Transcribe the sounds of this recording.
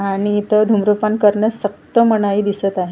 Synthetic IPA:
aɽ̃it̪əd̪ʱumɾupankəɾnəsək̚t̪əməɽ̃aiːd̪isət̪aɦe

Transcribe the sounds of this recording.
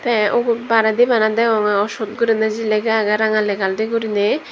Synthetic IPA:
t̪ɛʔɔɡbaɾad̪ibanad̪aɔŋaɔsut̪̚ɡuɾinad͡ʒilɛɡaːɡaɾaŋalɛɡalɾɛɡuɾinɛ

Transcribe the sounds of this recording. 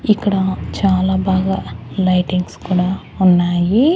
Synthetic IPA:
ikːɐɽat͡ʃaːlaːbaːɡalɐjʈiŋɡskuːɽaː | unːaːji

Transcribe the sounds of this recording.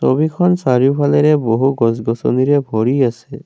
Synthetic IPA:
so̰bikʰɔnsaɹijʊpʰalɛɾɛboɦuɡɔsɡɔsɔ̰niɾɛbʱɔɹiasɛ

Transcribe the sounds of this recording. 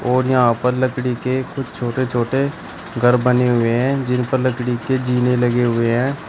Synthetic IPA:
oːɾjəɦãpəɾləkɽikekʊd͡ʒt͡ʃʰoːʈet͡ʃʰoːʈe | ɡʱəɾbəneɦʊeɦɛ̃ːd͡ʒɪnpəɾləkɽiked͡ʒiːneləɡeɦʊeɦɛ̃ː

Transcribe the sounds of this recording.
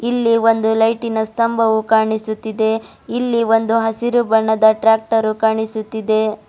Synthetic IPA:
ilːiʋo̞nd̪ulɐjʈinɐst̪ɐmbʱɐʋukaːɳisut̪ːid̪e̞ | ilːiʋo̞nd̪uɦɐsiɾubɐɳːɐd̪ɐʈɾaːk̚ʈɐɾukaːɳisut̪ːid̪e̞

